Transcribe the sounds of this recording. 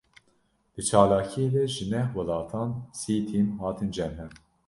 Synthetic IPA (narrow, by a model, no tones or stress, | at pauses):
d̪̥ɨt͡ʃʰɑːlɑːkʰijeːd̪ɛʒɨnɛhwɑlɑːt̪ʰɑːnsiːt̪ʰimɦɑːt̪ʰɨnd͡ʒɛmɦɛm